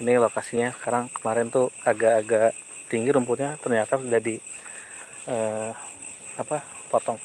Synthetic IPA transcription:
inilokasiɲasə̥kaɾaŋkəmaɾɛnt̪uaɡaːɡaʔ | t̪iŋɡiɾumpʊt̪̚ɲat̪ərɲat̪asudahdi | əː | apa | pɔt̪ɔŋ

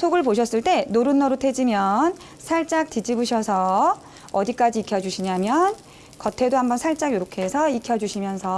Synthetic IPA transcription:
sʰoɡɯɭpoɕ̬ʰʌs͈ɯɭt͈e̞noɾɯnːʌɾotʰed͡ʑimjʌn | sʰaɭt͡ɕ͈ak̚tid͡ʑibuɕʰʌsʰʌ | ʌdik͈ad͡ʑiːkʰjʌd͡ʑuɕʰiɲamjʌn | kʌtʰe̞dohambʌnsʰaɭt͡ɕ͈aɡjoɾokʰe̞sʰʌikʰjʌd͡ʑuɕʰimjʌnsʰʌ

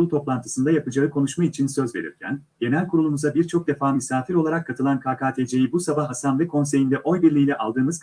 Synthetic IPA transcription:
ulˠt̪ʰo̞plˠant̪ʰɯ̥sɯnd̪ajapɯd͡ʒaɯkʰo̞nuʃmait͡ʃʰinsø̞zve̞ɾḭɾcʰæ̰n | ɟ̥e̞nɛlʲkʰuɾulˠumuzabiɾt͡ʃʰo̞k̚d̪e̞faːmisaːfiɾo̞lˠaɾakʰːat̪ʰɯlˠankʰaːkʰaːt̪ʰed͡ʒe̞jibusabahːasanlˠɯkʰo̞ns̬e̞jind̪ɛʔo̞jbiɾlʲiːlʲɛʔalˠd̪ɯːmɯz

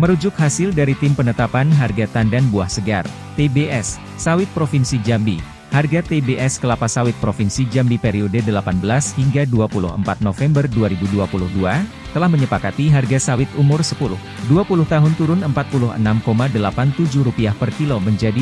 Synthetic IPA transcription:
məɾud͡ʒʊk̚hasɪldaɾit̪ɪmpənət̪apanɦarɡat̪andanbuahsəɡa̰r | t̪ebeʔɛsː | awɪt̪̚pɾofinsid͡ʒambi | harɡat̪ebeʔɛskəlapasawɪt̪̚pɾofinsid͡ʒambipeɾiodedəlapanbəlashiŋɡaduapulʊ̰hə̰mpat̪̚nofɛmbərduaɾibuduapulʊhdua | t̪əlahməɲəpakat̪iɦarɡasawɪt̪umʊrsəpulʊ̰h | duapulʊht̪aɦʊnt̪uɾʊnəmpat̪̚pulʊɦə̰namkomadəlapant̪ud͡ʒʊhɾupiahpərkiloməɲd͡ʒadi

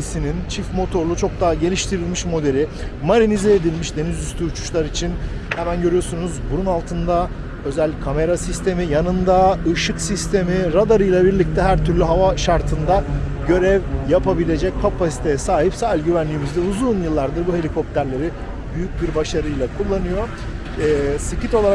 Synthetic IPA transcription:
sinint͡ʃʰifmo̞t̪ʰo̞ɾlˠut͡ʃʰo̞k̚d̪aːɟe̞lʲiʃt̪ʰiɾilʲmiʃmo̞d̪e̞ɾʲimaɾinizɛːd̪ilʲmiʃd̪e̞nizyst̪ʰyːt͡ʃʰu̥ʃlˠaɾit͡ʃʰin | hɛmænɟø̞ɾyjo̞sunuzbununalˠt̪ʰɯnd̪a | ø̞zɛlʲːicʲʰame̞ɾasist̪ʰe̞mijanɯnd̪aɯʃɯksist̪ʰe̞miɾad̪aɾɯjlˠabiɾlʲic̚t̪ʰɛɦæɾt̪ʰyɾlʲyɦavaʃaɾt̪ʰɯnd̪a | ɟø̞ɾɛvjapʰabilʲe̞d͡ʒɛc̚kʰːapʰasi̥t̪ʰe̞jɛsaːɦipsalʲɟyvænlʲiːmizd̪ɛuzuːnjɯlˠːaɾd̪ɯɾbuɦe̞lʲikʰo̞p̚t̪ʰæɾlʲe̞ɾi | byjyc̚biɾbaʃaɾɯjlˠakʰulˠːanɯjo̞ | ɛsicʰit̪o̞lˠaɾa

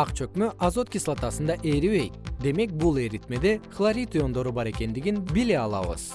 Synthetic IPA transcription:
ɑqt͡ʃø̞kmøʔɑzo̞t̪̚kʲislˠat̪ɑsɯnd̪ɑʔe̞ɾiβe̞jt̪̚d̪e̞me̞k̚bulˠe̞ɾit̪me̞d̪e̞χlˠaɾʲit̪ijo̞nd̪o̞ɾubɑɾe̞ke̞nd̪iɡinbileɑlˠɑ̰βɯ̰z̥

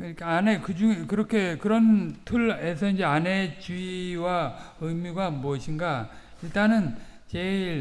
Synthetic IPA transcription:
kɯikaanekɯd͡ʑuŋekɯɾʌkʰe̞kɯɾʌntʰuɭe̞s̬ʰʌind͡ʑe̞ane̞t͡ɕuiwaɯmiɡwamʌɕʰinɡa | iɭt͈anɯnt͡ɕe̞iɭ

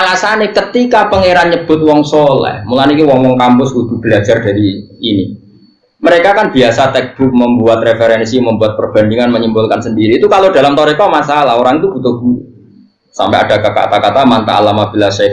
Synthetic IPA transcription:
alasanekət̪ikapəŋeɾanɲəb̥ʊt̪̚wɔŋsolɛ̰hmulanikuwɔŋwɔŋkampʊsud̥̪ṳb̥əlad͡ʒard̥aɾiːni | məɾekakanbiasat̪ɛk̚b̥ʊk̚məmbuat̪̚refeɾɛnsiməmbuat̪̚pərb̥a̤ndiŋanməɲimbʊlkansəndiɾiːt̪ukalod̥alamt̪oɾek̪ɔmasalahoɾaŋit̪ub̥ut̪uɡu | sa̰mpɛad̥akaka̰t̪akat̪amant̪a̰ːlamab̥ilasɛ

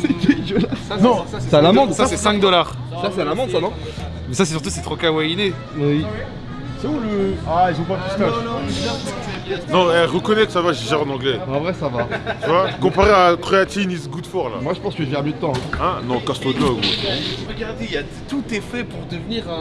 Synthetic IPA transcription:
set̪edəlanɔ̃aɛsɛalamɑ̃d̪sasɛsɛ̃kd̪ɔlaʁ | sasɛalamɑ̃d̪sanɔ̃ | mɛsasɛs̬yʁt̪̬usɛt̪χɔkawajine | wi | sɛuləailzɔ̃pap̪usalaasɛ̃nɔ̃ɛʁəkɔnɛkə̥savaʒɛʒɛʁɑ̃nɑ̃ɡlɛɑ̃vʁɛsavat̪yvwakɔ̃paʁeakχoat̪inisɡud̪fɔʁla̰mwaʒəpɑ̃skəʒəvɛamjød̪ət̪ɑ̃ɛ̃nɔ̃kast̪ɔd̪lɔɡɛ̰ʁəɡaʁd̪eija | t̪ut̪ɛfɛpuʁd̪əvniʁɛ̃

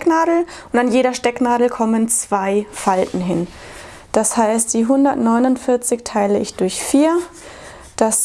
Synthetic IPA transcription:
knaːdl̩ʔʊntanjeːɾɐʃtɛknaːdl̩kʰɔmənt͡sv̥aɪfaltn̩ɦɪn | d̥ashaɪst̚d̥iːɦʊndɐtnɔʏnʊntfɪɐt͡sɪçtʰaɪləɪçd̥ʊɐçfiːɐ | d̥as

